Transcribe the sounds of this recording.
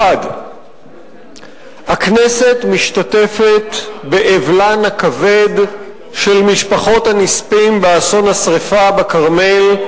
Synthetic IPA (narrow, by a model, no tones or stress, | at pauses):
ad | haknese̞tmiʃtate̞fe̞t̪beʔevlanhakave̞d̪ | ʃe̞lmiʃpaχo̞thanispimbeaso̞nhasʁefabekaʁme̞l